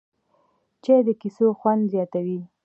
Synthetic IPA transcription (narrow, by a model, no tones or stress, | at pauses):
t͡ʃed̪əkisoxwand̪zjɑt̪awi